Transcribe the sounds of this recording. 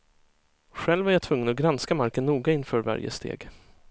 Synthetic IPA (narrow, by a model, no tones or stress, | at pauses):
ɧɛlːvæɾjat̪ʰvɵŋːənɔɡɾanskamaɾkənːuːɡaɪnfœːɾva̰ɾjə̰st̪ʰḛːɡ